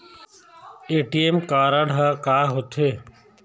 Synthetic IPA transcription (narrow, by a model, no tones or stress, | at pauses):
eːʈiːemkaːɾaːɽ̤ʱaːkaːɦot̪ʰeː